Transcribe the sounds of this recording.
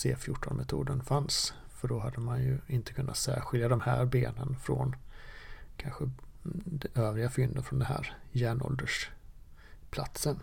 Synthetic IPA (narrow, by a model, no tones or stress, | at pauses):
seːfjʊʈʰːɔnmɛt̪ʰuːd̪ənfans | fœɖɔɦad̪ːəmanjɵɪnt̪ʰə̥kʰɵnːat̪sæːɾɧɪld̪ad̪ɔmhæːɾbeːnənfɾɔ̰n | kʰanɧəd̪ɛʔøːvɾɪɡafʏnd̪əfɾɔnd̪ɛnɦæ̰ːɾjæːɳɔ̰ld̪əʂ | pʰla̰t̪sən